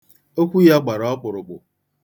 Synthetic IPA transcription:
o˦kʷu˦ja˦ɡ͡ba˨ɾɔ˨˦k͡pʊ˨ɾʊ˨k͡pʊ̰˨

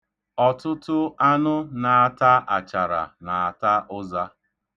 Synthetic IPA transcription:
ɔ˨tʊ˦tʊ˦a˦nʊ˦na˨a˨ta˦ʔa˨t͡ʃa˨ɾa̰˨na˨a˨ta˦ʔʊ˦za˦

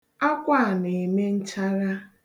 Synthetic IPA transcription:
a˦kʷa˦˨ne˨me˦n̩˦t͡ʃa˦ɾa˦

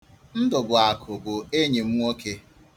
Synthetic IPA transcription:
n̩˦dʊ˨bʊ˨a˨kʰʊ˨bʊ˨e˦ɲe˨m̩˦wʷo˦ke˦

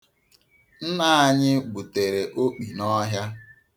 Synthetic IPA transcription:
n̩˦na˦˨a˨ɲɪ˦ɡ͡bu˨te˨ɾe˨ʔo˦k͡pi˨nɔ˦ɦja˦

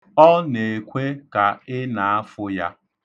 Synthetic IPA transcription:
ɔ˦ne˨kʷe˦ka˨ɪ˦na˨a˦fʊ˦ja˦

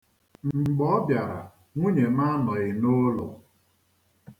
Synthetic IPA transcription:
ŋ͡m̩˨ɡ͡bɔ˦ɔ˦bja˨ɾa̰˨ | ŋʷu˦ɲe˨ma˦nɔ˨ɪ˨no˦lʊ̰˨

